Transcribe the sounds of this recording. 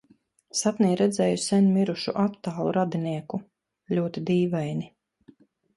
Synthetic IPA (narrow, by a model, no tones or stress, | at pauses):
sat̪niːɾɛd̪zɛjusɛnʲmiɾuʃuʔat̪ːaːlˠṵɾad̪iniɛku | ʎuɔt̪id̪iːvajni